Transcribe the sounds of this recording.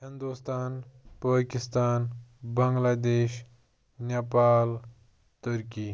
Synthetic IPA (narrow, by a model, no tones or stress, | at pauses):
ɦind̪ust̪aːnpaːkist̪aːnbɐŋɡlaːd̪eːʃ | napaːl | t̪əɾki